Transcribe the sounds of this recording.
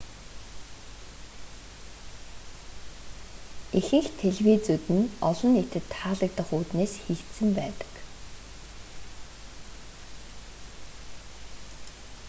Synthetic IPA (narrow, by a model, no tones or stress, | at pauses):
exɘ̆ŋxt̪ʰeɮwiːt͡sut̪ɘ̆nɔɮɞ̆net̪ɘ̆t̪ʰːaːɮə̆k̚t̪ə̆χuːt̪neːsxekt̪sɘ̆mpæːt̪ə̥̆k